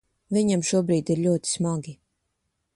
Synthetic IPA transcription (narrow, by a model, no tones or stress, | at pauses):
vʲiɲamʃuɔbɾiːt̪iɾʎʲuɔt̪i̥smaɡi